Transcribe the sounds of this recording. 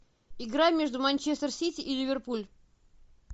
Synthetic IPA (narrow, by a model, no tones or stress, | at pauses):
ɪɡɾamʲeʐd̪ʊmɐnʲt͡ɕest̪ərsʲitʲɪʔːlʲɪvʲɪrpulʲ